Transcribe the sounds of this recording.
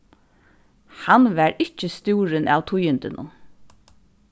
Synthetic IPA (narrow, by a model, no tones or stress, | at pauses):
hanʋæɹɪt͡ʃːəst̪uːɾɪna̰ːwt̪ʰʊjɪnt̪ɪnʊ̰n